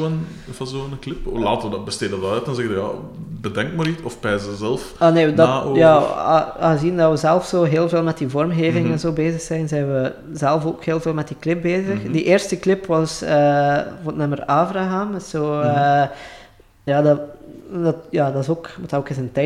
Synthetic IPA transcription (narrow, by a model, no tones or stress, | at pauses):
ən | fɑzoːənklɪplaːtəʋədbəsteːddədɑɛtɛnzɛɣədja̰ | bədɛŋkmaːɾitɔfpɛːzəzɛlˠfaneːndaːojaːaːəzindɑʋəzɛlˠfsoːɦeːlˠveːlˠmɛt̚divɔrmɣeːvɪŋɛnzoːbeːzəxsɛjnzɛjnʋə | zɛlˠfoːkheːlˠveːlˠmɛt̚diklɪp̚beːzəxdiʔeːrstəklɪpʋɑsəːvoːətnəməraːvraɦaːmɛz̥oːə | jaːdɑdɑtjaːdɑzoːkmɔtɑoːkɪsəntɛ